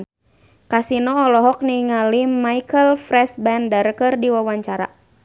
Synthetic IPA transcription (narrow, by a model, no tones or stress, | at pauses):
kasinɔːlɔɦɔk̚niŋalimaikəlfɾɛsbɛndərkɨrdiwawaɲt͡ʃaɾa̰